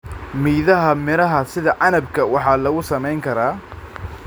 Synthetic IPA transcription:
miːðɐɦɐmɪɾɐɦɐsɪðɐʕɑnɐbkʰɐwɑħɑːlɐɣʊsɐmɛjŋkʰɐɾaː

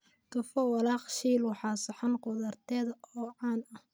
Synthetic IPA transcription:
k̪ɐfɔwɑlɑːqʃiːlwɑħɑːsɐħɑnqʊðɐrt̪ʰɛːðɐɔːʕɑːnɐh

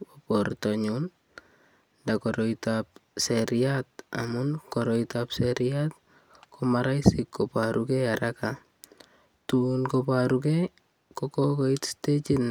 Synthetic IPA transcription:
opɔrtɔɲun | dakɔɾɔitap̚sɛɾijat̚a̰munkɔɾɔitapsɛɾijat̪̚ | kʰɔmaɾajsikːopaɾukɛaɾʔaka | tunkɔpaɾukɛ | kɔkɔkɔitstet͡ʃin

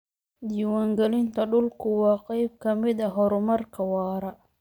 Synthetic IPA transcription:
d̪iːwaːŋɡɛlɪnt̪ʰɐɖʊlkʰʊwɑːqɑjb̚kʰɐmɪd̪ɐɦɔɾʊmɐrkʰɐwɑːɾɐ

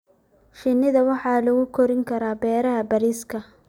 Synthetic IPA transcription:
ʃɪnɪðɐwɑħɑːlʊɣʊkʰɔɾɪŋkʰɐɾaːbɛːɾɐɦɐbɐɾiːskʰɐ

